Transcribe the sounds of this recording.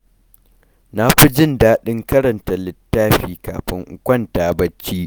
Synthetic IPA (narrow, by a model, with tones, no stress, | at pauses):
na˦ɸi˦d͡ʒɪ˦ndaː˦ɗɪ˦ŋkɐ˦ɾɐ˨nta˨lɪ˦tːaː˦ɸiː˦ka̰ː˨ɸɪ˦ŋʔkʷɐ˦˨ntaː˨bɐ˦t͡ʃːiː˦